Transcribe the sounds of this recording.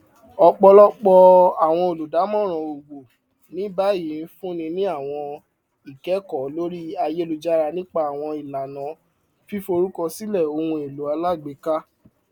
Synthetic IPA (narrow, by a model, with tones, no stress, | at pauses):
ɔ˧k͡pɔ˧lɔ˦k͡pɔ˧a˨w̃ɔ̃˧o˨lu˨da˨˦mɔ̃˦˨ɾ̃ã˨o˨ɡ͡bo˨ | nĩ˨˦ba˦jĩ˨˦n̩˦fũ˦nĩ˧nĩ˦a˦˨w̃ɔ̃˧ | i˨kɛ˨˦kɔ˨˦lo˦ɾi˦a˧je˦lo˧d͡ʒa˦ɾa˧nĩ˦k͡pa˧a˨w̃ɔ̃˧i˨la˨nã˨˦ | fi˦fo˧ɾu˦kɔ˧si˦lɛ˦˨o˧hũ˧e˨lu˨˦a˧la˦˨ɡ͡be˨˦ka˦